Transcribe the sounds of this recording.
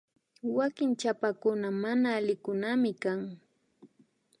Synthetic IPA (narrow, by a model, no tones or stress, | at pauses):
wakɪŋt͡ʃapakʊnamanaːlɪkʊnamɪkaŋ